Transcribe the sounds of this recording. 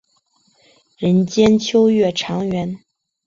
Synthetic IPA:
ɻə˧˥nt͡ɕjɛ˥nt͡ɕʰjo˥ʊɥɛ˥˩ʈ͡ʂʰɑ˧˥ŋɥɛ˧˥n

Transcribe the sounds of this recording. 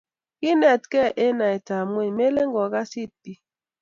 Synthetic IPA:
ki˦nɛ˨tkɛ˦ʔe˦na˨e˨ta˨mwe˦˨me˦le˦ŋɡɔ˨ɡa˦si˦t̚ːi˦

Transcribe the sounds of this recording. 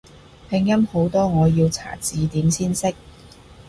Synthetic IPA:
pʰɪ˨˧ŋjɐ˥mho˨˥wt̪ɔː˥ŋɔː˨˧jiː˧wt͡sʰa̰ː˨˩t͡siː˨˧t̪iː˨˥msiː˥nsɪ˥k̚

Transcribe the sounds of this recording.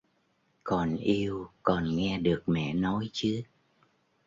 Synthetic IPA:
kɔ˨˩nʔi˧əwkɔ˨˩nŋɛ˧ɗɨ˨˩ək̚mɛ̰˧˨nɔ˨˦jt͡ɕɨ˨˦

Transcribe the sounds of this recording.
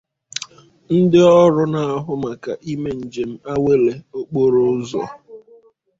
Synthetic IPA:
n̩˦dɪ˦ɔ˦ɾʊ˦na˨a˦ɦʊ˦ma˨ka˨ʔi˦me˨n̩˨d͡ʒe˨m̩˦a˦we˦le˨o˦k͡po˦ɾo˦ʊ˦zɔ̰˨

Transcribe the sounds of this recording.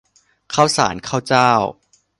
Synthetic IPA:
kʰa˥˩wsa̰ː˩˦nkʰaː˥˩wt͡ɕaː˥˩w

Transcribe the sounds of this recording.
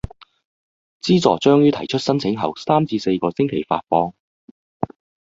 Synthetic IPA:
t͡siː˥t͡sɔː˨t͡ʃœː˥ŋjyː˥t̪ʰɐ˨˩jt͡ʃʰɵ˥t̚sɐ˥nt͡sʰɪ˨˥ŋɦɐ̰˨wsaː˥mt͡siː˧se˧jkɔː˧sɪ˥ŋkʰe˨˩jfa̰ː˧t̚fɔː˧ŋ

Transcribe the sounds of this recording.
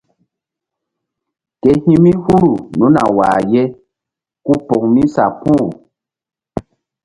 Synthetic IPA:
ke˨hĩ˦mĩ˦hu˦ɾu˨nũ˨˦na̰˨wa̰ː˨jɛ˦ | ku˦pɔ˨ŋmĩ˦sa˨pu˦˨

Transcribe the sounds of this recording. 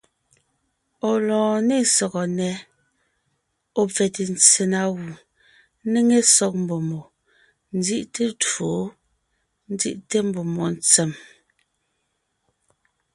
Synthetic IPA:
ɔ˨lɔ̃ː˨ne˦˨sɔ˨ɣɔ˨nɛ˨˦ | ɔ˦˨p͡fɛ˨te˨n˨t͡se˨na˦ɣu˨˦ | ne˦ŋe˦sɔ˦k̚m̩˨bo˨mo˨ | n̩˦d͡zi˦ʔte˦to˨˦ | n̩˦d͡zḭ˦ʔte˦m̩˦bo˨mɔ˨n˦t͡se˨m

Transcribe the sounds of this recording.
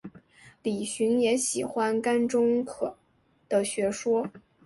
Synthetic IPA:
li˨˩ɕy˧˥njɛ˧˥ɕi˨˩xwa˥nka˥nʈ͡ʂʊ˥ŋkʰɤ˨˩ | d̪̥ə˧ɕɥɛ˧˥ʂwɔ˥

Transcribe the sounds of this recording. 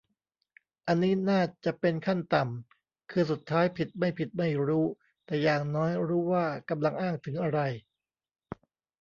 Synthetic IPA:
ʔa˧nːiː˦˥naː˥˩t͡ɕa˨˩ʔpe˧nkʰa˥˩nt̪a˨˩m | kʰɯː˧su˨˩t̪ʰːaː˦˥jpʰi˨˩t̪̚ma˥˩jpʰi˨˩t̪̚ma˥˩jɾuː˦˥ | t̪ɛː˨˩jaː˨˩ŋnɔː˦˥jɾuː˦˥waː˥˩ka˧mla˧ŋʔaː˥˩ŋt̪ʰɯ˩˦ŋʔa˧ɾa˧j

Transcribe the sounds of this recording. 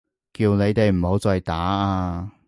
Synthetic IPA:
kiː˧wne˨˧jt̪e˨jm̩˨˩ho˨˧˥wt͡sɔː˨˧jt̪aː˨˥aː˧

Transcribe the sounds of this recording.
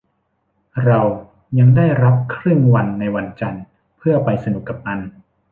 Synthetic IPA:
ɾa˧w | ja˧ŋdaː˥˩jɾa˦˥p̚kʰɾɯ˥˩ŋwa˧nːa˧jwa˧nt͡ɕa˧n | pʰɯ˥˩ɐpa˧jsa˧nu˨˩kːa˨˩p̚na˧˥n

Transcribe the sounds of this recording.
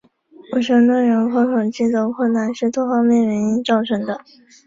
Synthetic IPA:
wɔ˨˩ɕɑ˥ŋna˥˩ɻo˧˥ŋxɤ˧˥kʰo˨˩ʊt͡ɕi˥t͡so˧˥ʊkʰwə˥˧nna˥˧nʂɻ̩˥˧t̪ʰwɔ˥˧xɑ˥˧ʊmjɛ˥˩nɥə˧˥ni˥ʈ͡ʂɑ˥˧ʊʈ͡ʂʰɤ˥ŋd̪ə˧

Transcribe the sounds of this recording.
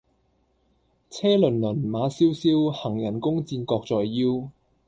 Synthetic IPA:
t͡sʰɛː˥lɵ˨˩nlɵ˨˩nmaː˨˥siː˥wsiː˥whɐ˨˩ŋjɐ˨˩nkʊ˥ŋt͡siː˧nkɔː˧k̚t͡sɔː˨jːiː˥w

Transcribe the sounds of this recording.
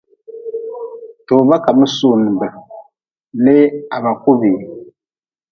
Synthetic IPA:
toː˨βa˦ka˨mɨ˦su˦˨n˨bɨ˨ | ne˦a˨βa˨ku˦βi˨

